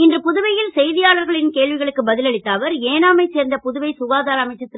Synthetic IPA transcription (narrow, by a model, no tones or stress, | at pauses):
ɪndrɯpʊðʊʋɐjɪlsɛjðɪjaːɭɐɾɣɐɭɪnkeːɭʋɪɣɐɭɯkːɯbɐðɪlɐɭɪt̪ːaːʋɐɾeːnaːmɐɪseːɾnd̪ɐpʊðʊʋɐɪsʊɣaːðaːɾɐɐmɐɪt͡ʃːɐt̪ːɪ